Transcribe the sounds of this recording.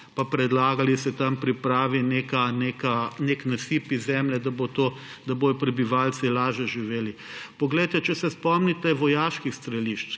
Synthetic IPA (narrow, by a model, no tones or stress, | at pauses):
papɾɛd̪laːɡalisɛt̪ampɾipɾaːʋinekanekaneknasiːpizɛmlɛd̪abot̪o | d̪ɐboːjɔpɾɛbiʋaːlt͡ssilaːʒɛʒiʋeːlipɔɡlɛjt̪ɛt͡ʃɛsɛspɔmnit̪ɛʋɔjaːʃkixst̪ɾɛliʃt͡ʃ